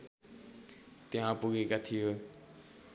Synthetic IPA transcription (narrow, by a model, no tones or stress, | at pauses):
t̪eɦãpuɡekat̪ʰijo